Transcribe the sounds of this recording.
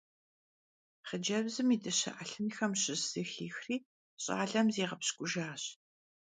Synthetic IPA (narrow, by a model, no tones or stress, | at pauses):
χəd͡ʒɐbzɨmiːdɨɕɐ̰ʔaɬɨnxɐmɕɪz̥ɨxiːxriː | ɕʼa̰ːɮɐmzeːʁɐpɕkʷʼʊʒaːɕ